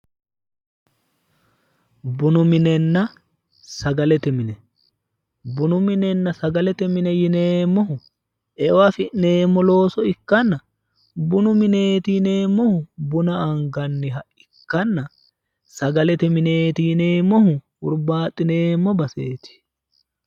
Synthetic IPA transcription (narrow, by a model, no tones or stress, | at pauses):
bʊnʊmɪnɛnːɐ | sɐɡɐlɛt̪ɛmɪnɛ | bʊnʊmɪnɛnːɐsɐɡɐlɛt̪ɛmɪnɛjɪneːmːɔhʊ | ʔɛwafɪʔne̞ːmːɔlo̞ːsɔɪkːɐnːɐ | bʊnʊmɪne̞ːt̪ijne̞ːmːɔhʊbʊnɐɐŋɡɐnːɪɦɐʔɪkːɐnːɐ | sɐɡɐlɛt̪ɛmɪne̞ːt̪ijneːmːɔhʊ | ʊɾbaːt̪ʼːɪne̞ːmːɔbɐseːt̪ɪ̥